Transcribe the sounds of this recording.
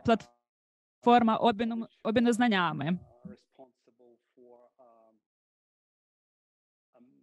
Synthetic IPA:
plˠɐt̪ | fɔrmɐʔɔbɔbʲɪnɔznɐnʲamɨ | pnsbl̩ˠf

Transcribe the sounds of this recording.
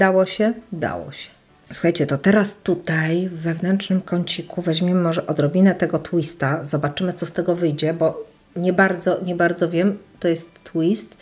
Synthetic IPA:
d̪awɔɕɛd̪a̰wɔ̰ɕɛ̥ | swuxajt͡ɕɛt̪ɔt̪ɛɾast̪ut̪ajvːɛvnɛntʂnɘmkɔɲt͡ɕikuvɛʑmʲjɛmɘmɔʐɛʔɔd̪ɾɔbʲinɛt̪ɛɡɔt̪wist̪azɔbat͡ʂɘmɘt̪sɔst̪ɛɡɔvɘjd͡ʑɛbɔ | ɲɛbaɾd̪zɔɲɛbaɾd̪zɔvʲjɛmt̪ɔjɛst̪ːwist̪

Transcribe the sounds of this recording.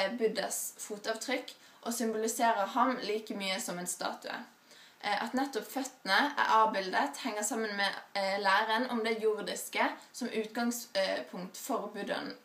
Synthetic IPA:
bʏd̪əsfuːt̪ɑːʋt̪ʰʁʏkː | ʔoːsʏmbʊlɪseːʁəhɑmliːkəmyːəsɔmɛnst̪ɑ̰ːt̪ʉə̰ | ʔɑ̰t̪nɛt̪ːʊpfœt̪ənəæ̰ɾɑːbɪld̪ət̪hɛŋːəsɑmːənmɛːlæːʁənʔɔmd̪ɛjʊʁd̪ɪskəsɔmʔʉːt̪ɡɑŋspʰʊŋt̪fɔʁbʉd̪ə̰n

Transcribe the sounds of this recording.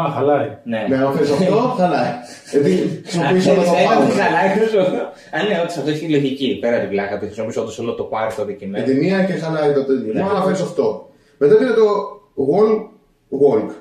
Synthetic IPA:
ɐɐlɐineneɐnɐfeɾisɐt̪oɐlɐet̪isisopisolɐt̪opɐɾxɐlɐosoo | ɐneot̪ɐsɐft̪oiçloʝicipeɾɐt̪ivlɐkɐt̪ixɾismopisot̪ɐsolot̪opɐɾt̪oðicinet̪imiɐcexɐlɐit̪ot̪eɐnɐfeɾisɐft̪o | met̪ɐpinɐt̪oɣol | ɣolk

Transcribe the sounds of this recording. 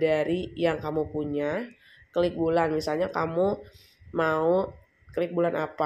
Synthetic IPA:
daɾijaŋkamupuɲa | kəlɪk̚bulanmisalɲakamu | mau | kəlɪk̚bulanapa

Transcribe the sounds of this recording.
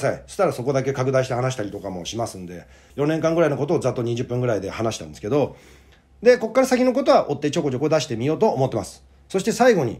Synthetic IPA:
saisɨ̥t̪ːaɾaso̞ko̞d̪ake̞kakɯ̟d̪aiɕit̪e̞hanaɕi̥t̪aɾʲit̪o̞kamo̞̰ɕimasɨ̃nd̪e̞̰ | jõ̞nẽ̞ŋkãŋɡɯɾaino̞ko̞t̪o̞ːzat̪ːo̞ɲ̟iʑɨpːɯ̟̃ŋɡɯ̟ɾaid̪e̞hanaɕi̥t̪ãnd̪eske̞d̪o̞ | d̪e̞ko̞kːaɾasakʲino̞k̬o̞t̪̬o̞βaʔo̞t̪ːe̞t͡ɕoko̞t͡ɕokod̪aɕi̥t̪e̞mʲijo̞ːt̪o̞ːmo̞t̪ːemasɨ̥ | so̞ɕi̥t̪e̞saiɡo̞ɲ̟ḭ

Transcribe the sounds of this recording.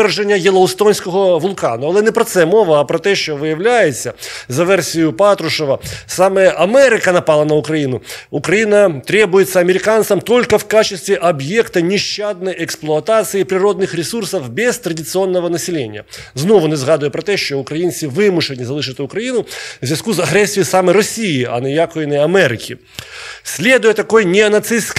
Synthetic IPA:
rʐenʲːɐjɛlˠɐʊst̪onʲsʲkɔɦɔʋʊlˠkanʊɐlˠɛnɛpɾɔt̪sɛmɔʋɐːpɾɔt̪ɛʃt͡ʃɔʋɪjɐʋlʲajɪsʲːɐzɐʋɛrsʲijʊpat̪ɾʊʂɔʋɐsamɛɛʔɐmɛɾɪkɐnɐpɑlˠɐnɐʊkɾɐjinʊʊkɾɐjinɐt̪ɾʲɛbʊjɪt̪sːɐɐmʲɪɾʲɪkant̪sɐmt̪olʲkɐwkat͡ʃɪsʲt̪ʋʲɪʔɐbjɛkt̪ɐnʲɪʃt͡ʃːad̪nɐjɛksplˠʊɐt̪at̪sɨjipɾʲɪɾod̪nɪxɾʲɪsursɐwbʲɪst̪ɾədʲɪt̪sɨo̞nːəvənəsʲɪlʲenʲɪjə̰znovʊnʲɐzɣad̪ʊjəpɾɐt̪ɛɕoʊkɾɐjinsʲɪvɨmʊʂɨnʲɪzɐlˠɨʂɨt̪ʊkɾɐinʊzʲɪskuzɐɣɾʲesʲt̪vʲɪjɪsaməjɾɐsʲijɪɐ̰nɨjakʊɪnəjɐmɛɾʲɪkʲɪ | sʲlʲe̞d̪ʊjət̪ɐko̞jnʲɪɐnɐt̪sɨsk

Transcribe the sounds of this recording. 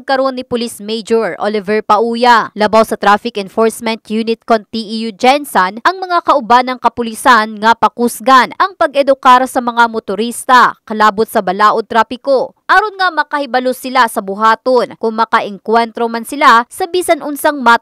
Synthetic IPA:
ɐɡ̚kɐɾʔonːɪpʊlismejd͡ʒoɹʔolɪvɛɹpɐʔuːjɐlɐbawsɐt̪ɾafɪkʔɛnfoɹsmɛnt̪junɪt̪̚kont̪ːiʔijud͡ʒɛnsɐnʔɐŋmɐŋakɐʔʊbanɐŋkɐpʊlɪsanŋɐpɐkusɡanʔɐŋpɐɡʔɛd̪ʊkaːɾɐsɐmɐŋamʊt̪ʊɾist̪ɐkɐlaːbʊt̪̚sɐbɐlaːʔot̪ɾaːfɪkoʔaːɾʊnŋamɐkɐhɪbɐlosɪlasɐbʊɦaːt̪onkʊŋmɐkɐʔɛŋkwɛnt̪ɾomansɪlasɐbiːsɐnʔʊnsɐŋmat̪

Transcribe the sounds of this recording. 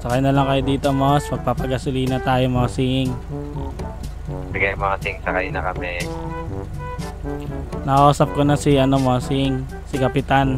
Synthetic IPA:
sɐkɐjnɐlɐŋkɐjod̪iːt̪omospɐɡ̚papɐɡɐsʊliːnɐt̪aːjomɐɐsiŋ | dɪɡajmɐŋɐsɪŋsɐkajnɐ̰kɐmɛ | nɐkɐʔuːsɐp̚konɐsɪʔɐnomosiŋ | sɪkɐpɪt̪an

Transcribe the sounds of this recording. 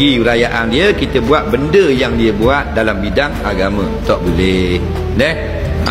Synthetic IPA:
iɾajaʔandiəkit̪əbuat̪̚bəndəjaŋdiəbuat̪̚dalambidaŋaɡamə̃t̪ɔʔbolɛh | nɛh

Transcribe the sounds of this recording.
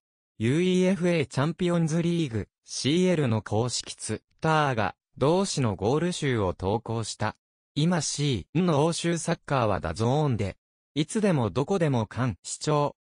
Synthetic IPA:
jɯ̟ːiːe̞ɸɯ̟e̞t͡ɕãmpiõ̞nzɨɾʲiːɡɯ̟ | ɕiːe̞ɾɯ̟no̞kʰo̞ːɕi̥kʲi̥t͡sɨ | t̪aaɡa̰ | d̪o̞ːɕino̞ɡo̞ːɾɯ̟ɕɨːo̞t̪o̞ːko̞ːɕi̥t̪a | imaɕiːnooːɕɨːsakːaːβ̞a̰d̪a̰zoõnd̪e̞̰ | it͡sɨd̪e̞mo̞d̪o̞ko̞d̪e̞mo̞kʰãɰ̃ɕi̥t͡ɕo̞ː

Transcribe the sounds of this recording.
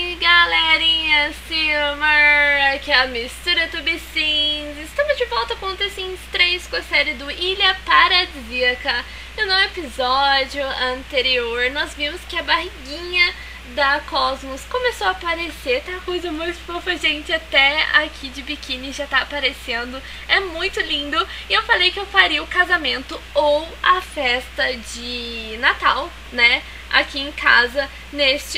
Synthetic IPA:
ɡaleɾĩɲɐsimɐɐkɛlɐmist̪uɾɐt̪ubisĩzɪst̪ɐ̃mʊzd͡ʒɪvɔwt̪ɐkõnt̪ɾɐsĩst̪ɾejskõɐsɛɾɪd̪ʊilɐpaɾɐd͡ʒziɐkɐ | ɪnõw̃epizɔd͡ʒʊɐ̃nt̪eɾioɾnɔzvĩmʊskɪɐbaɦiɡĩɲɐ | d̪ɐkɔzmoskõmesoapaɾeseɾt̪awkojzɐmũj̃t̪fofɐʒẽnt͡ʃɪat̪ɛa̰kʲʰid͡ʒɪbikĩnɪʒat̪apaɾesẽnd̪ʊ | ɛmũj̃t̪ʊlĩnd̪ʊ | ɪewfalejkɪewfaɾijʊkazamẽnt̪ʊowɐfɛst̪ɐd͡ʒɪnat̪aw | nɛ | a̰kʲiẽkʰazɐ | nest͡ʃɪ

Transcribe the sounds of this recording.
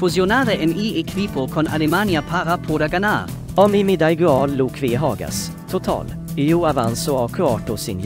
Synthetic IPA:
fuzjonaːɾəʔɪniːekʰvipokʰɔnʔa̰lɪmanjapʰaɾapʰoːdaɡanaːɾ | ɔmɪmɪd̪aɪɡɵɑːlːuːkʰvɪɦɑːɡa̰s | t̪ʰʊt̪ʰɑ̰ːl | iuːavansʊakʰʊɑːʈʊsɪnj

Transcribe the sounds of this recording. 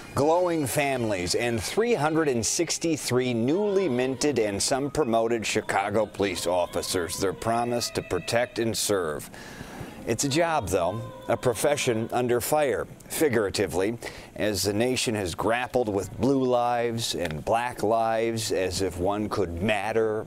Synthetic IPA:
ɡ̥loʊɪ̃ŋfæ̃mlizɨ̃nθɹiɦʌ̃ndɹɨɾɨ̃nsɪkstiθɹinulimɪ̃ntɨɾɨ̃nsʌ̃mpʰɹ̥ɨmoʊɾɨd̥ʃɨkʰɑɡoʊpʰəlisɔfɨsə˞zðə˞pʰɹ̥ɑməstʰɨpʰɹ̥ɨtʰɛk̚tɨ̃nsɜ˞v̥ | ɨtsɨd͡ʒɑb̚ðoʊəpʰɹ̥ɨfɛʃɨ̃nʔʌ̃ndə˞faɪə˞ | fɪɡjə˞ɨɾɨvli | ʔɨzðɨneɪʃɨ̃nɨzɡɹæpl̩ˠd̚wɪðblulaɪvzɨ̰̃nblæklaɪvzɨzɨfwʌ̃nkʰɨd̚mæɾə˞

